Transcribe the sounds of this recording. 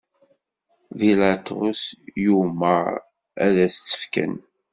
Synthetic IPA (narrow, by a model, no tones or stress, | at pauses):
vilat̪ʊ̰sjuməʁ | æðæst͡sːə̥fkə̰n